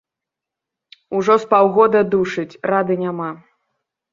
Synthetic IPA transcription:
uʐɔspawɣɔd̪ɐd̪uʂɨt͡sʲrad̪ɨnʲama

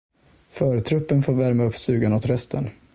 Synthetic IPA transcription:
fœːɾət̪ʰɾɵpːənfoːɾvæɾmaɵpːsʉ̟ːɡanoːt̪ɾɛst̪ʰən

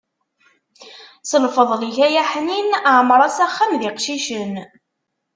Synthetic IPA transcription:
səlfəðˤliçæjæħninʕmɾˤɑsæχːæmðɪqʃiʃən

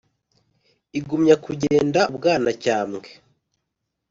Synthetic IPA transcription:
iɡumɲakuɟeːndabɡaːnacaːmɡe

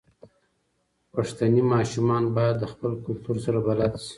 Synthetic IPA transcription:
paʂt̪animɑʃumɑnbɑjad̪ːəxpəlkʊlt̪uɾsaɾabalat̪si̥

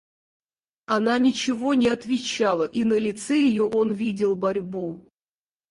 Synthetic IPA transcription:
ɐnanʲɪt͡ɕɪvo̞nʲɪɐt̪vʲɪt͡ɕalˠəʔinəlʲɪt̪sɛjɪjoʔo̞nvʲidʲɪlˠbɐɾʲbu

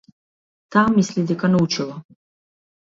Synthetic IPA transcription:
t̪ʰamːislid̪ɛkanaut͡ʃʰilˠɔ

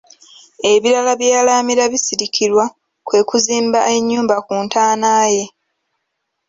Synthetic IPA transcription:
e̞βiɾalaβjaalaːmiɾaβisiɾikʰiɾwa | kwe̞ːkuziːmbaʔe̞ɲːuːmbakuːntaːnaːje̞

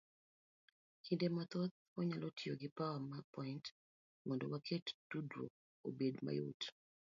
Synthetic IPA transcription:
kʰindemat̪ɔt̪̚ | ɔɲalɔtʰɪoɡɪpawamapɔint | mɔndɔwakʰetd̥udwo̰ | o̰bedma̰jo̰t

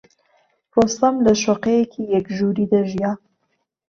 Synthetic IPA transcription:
rost̪amlɐʃoqejekʰijɛkʒuɾid̪aʒijaː

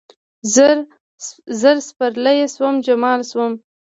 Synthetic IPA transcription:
zɾ | zəɾspaɾləjeswəmd͡ʒamɑlswəm

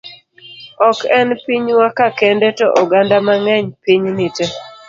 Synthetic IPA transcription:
ɔkɛnpiɲwakakɛndɛtɔʔɔɡandamaŋɛɲpiɲnitɛ

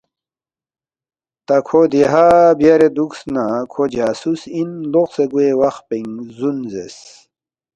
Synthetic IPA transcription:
t̪akʰod̪eɦabjaɾed̪uksnakʰod͡ʑaːsusinloqseɡuewaxpeŋzunzḛs

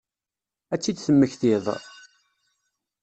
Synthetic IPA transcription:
æt͡sːid̪θəmːəçθɪðˤ

